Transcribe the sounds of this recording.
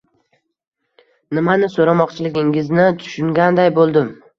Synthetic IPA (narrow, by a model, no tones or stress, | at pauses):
nɪmanɪsoɾamɒqt͡ʃʰɪlɪɡʲɪŋɪznɪt̪ʰʊ̥ʃʊŋɡʲand̪ajbolˠd̪ɪm